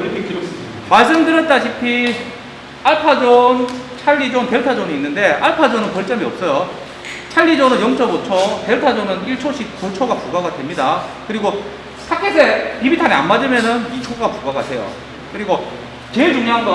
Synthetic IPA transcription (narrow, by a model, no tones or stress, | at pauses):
ɾkʰekiɾos͈ɯmaɭs̬͈ɯmdɯɾjʌt̚t͈aɕʰipʰi | aɭpʰad͡ʑont͡ɕʰaʎːid͡ʑonte̞ɭtʰad͡ʑoniːnːɯnde̞ʔaɭpʰad͡ʑonɯnpʌɭt͡ɕ͈ʌmiʌp̚s͈ʌjo | t͡ɕʰaʎːid͡ʑonɯnjʌŋt͡ɕʰʌbot͡ɕʰote̞ɭtʰad͡ʑonɯniɭt͡ɕʰoɕ͈ʰip̚kot͡ɕʰoɡapuɡaɡadwe̞mɲidakɯɾiɡo | sʰakʰesʰepibitʰaneanmad͡ʑɯmjenɯnit͡ɕʰoɡakuɡaɡatʰe̞jo̰ | kɯɾiɡo | t͡ɕeɭt͡ɕoŋɲɦaŋɡo